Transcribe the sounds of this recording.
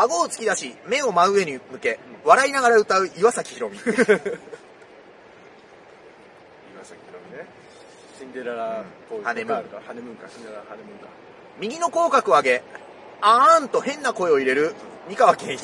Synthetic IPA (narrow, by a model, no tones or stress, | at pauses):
aɡo̞ːt͡sɨ̥kʲid̪aɕime̞o̞maɯ̟e̞ɲ̟imɯ̟ke̞βaɾainaɡaɾaɯ̟t̪aɯ̟ʔiβasakʲi̥iɾõ̞mʲi | iβasaɾomi | ĩnd̪eɾaɾa | ohanemɯ̃anemɯ̃ŋkaeaeɯŋka | mʲiɡʲino̞ko̞ːkakɯ̟aɡe̞ | ant̪o̞hẽ̞nːako̞e̞o̞iɾe̞ɾɯ̟mʲikaβakẽɰ̃